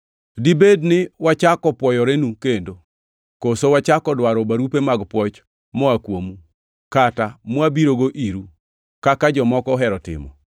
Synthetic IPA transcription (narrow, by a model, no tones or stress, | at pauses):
dibednɪwat͡ʃakɔpwɔjɔɾenukendo | kosowat͡ʃakɔdwaɾɔbaɾupemaɡpwɔt͡ʃ | mɔakwomu | katamwabiɾoɡoʔiɾu | kakad͡ʒɔmɔkɔɦɛɾɔtɪ̰mɔ̰